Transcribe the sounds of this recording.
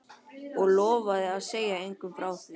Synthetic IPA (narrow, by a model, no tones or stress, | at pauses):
ɔɣlɔːvaðɪaðseːjaejŋkʏmfɾaːwθvɪ